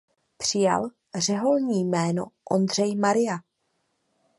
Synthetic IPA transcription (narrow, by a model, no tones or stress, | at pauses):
pr̝̥ɪja̰l | r̝ɛɦolɲiːjmɛːno̞ʔo̞nd̪r̝ɛjmaɾɪja